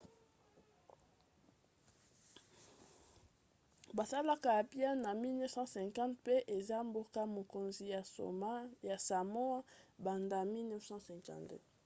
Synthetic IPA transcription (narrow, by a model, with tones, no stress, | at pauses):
ba˨sa˦la˦ka˦˨ja˨bi˦a˦na˨mi˦lnɛ˦fsɑ̃˦sɛ̃˨ŋkɑ̃˦tpe˦ʔe˨za˦mbo˦ka˦mo˨ko˨nzi˨ja˨o̰˨˦ja˨sa˨mo˦a˦ba˨nda˦˨mi˦lnɛ˦fsɑ̃˦sɛ̃˨kã̰˨nt